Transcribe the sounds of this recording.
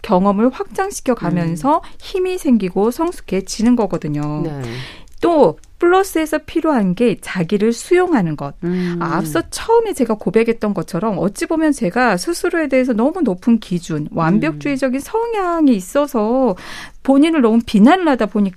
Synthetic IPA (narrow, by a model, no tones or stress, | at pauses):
kjʌŋʌmɯɭɸwak̚t͡ɕ͈aŋɕʰi̥kʰjʌɡamjʌnsʰʌçimisʰe̞ŋɡiɡosʰʌŋsʰu̥kʰe̞t͡ɕinɯnɡʌɡʌdɯɲo | t͈o | pʰɯɭːʌs͈ɯe̞sʰʌpʰiɾjoɦanɡe̞t͡ɕaɡiɾɯɭsʰujoŋɦanɯnɡʌt̚ap̚s͈ʌt͡ɕʰʌɯmet͡ɕe̞ɡakobe̞ɡe̞t̚t͈ʌnɡʌt͡ɕʰʌɾʌmʌt͡ɕ͈ibomjʌnt͡ɕe̞ɡasʰusʰuɾoe̞de̞ɦesʰʌnʌmunopʰɯnkid͡ʑunwambjʌk̚t͡ɕ͈uid͡ʑʌɡinsʰʌŋjaŋiːs͈ʌsʰʌ | poɲinɯɭnʌmɯnpinanɭadaboɲik͈